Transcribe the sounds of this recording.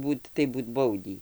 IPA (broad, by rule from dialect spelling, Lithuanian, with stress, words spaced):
ˈbuːt tɐɪ ˈbuːt ˈbɐʊdʲiː